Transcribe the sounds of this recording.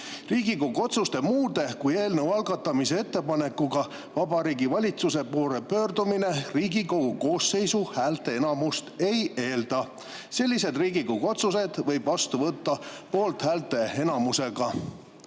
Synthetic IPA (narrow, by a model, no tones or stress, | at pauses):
riːɡikoɡo̞t̪sust̪e̞muːd̪̥e̞kuje̞ːlnewɑlɡɑt̪ːˑɑmise̞e̞t̪ːe̞pɑne̞kːˑuɡ̥ɑ | vɑbɑɾiːɡivɑlʲit̪suse̞poːɾepø̞ːrd̪umine̞riːɡiko̞ɡuko̞ːsːe̞jsuhæːlt̪e̞e̞nɑmust̪e̞je̞ːld̪̥ɑ | se̞lːis̬e̞d̪riːɡikoɡo̞t̪sus̬e̞d̪̥vɤ̞jb̥vɑst̪uvɤt̪ːɑpo̞ːlt̪hæːlt̪e̞e̞nɑmuse̞ɡ̥ɑ